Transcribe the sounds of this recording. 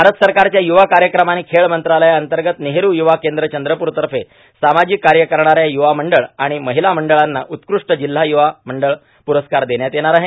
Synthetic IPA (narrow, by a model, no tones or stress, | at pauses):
bbʱaɾət̪əsəɾkaɾt͡ɕjajuʋakaɾjəkɾəmañiːkʰeɭmənt̪ɾaləjaənt̪əɾɡət̪neɦeɾuːjuʋakend̪ɾət͡ɕənd̪ɾəpuːɾt̪əɾfe | samad͡ʑikːaɾjəkəɾɳaɾjajuʋaməɳɖəɭaɽ̃iməɦilaməɳɖəɭanːa̰ʔut̪kɾuʂʈəd͡ʑil̤ːajuʋaməɳɖəɭ | puɾəskaɾd̪eɳjat̪jeɽ̃aɾaɦe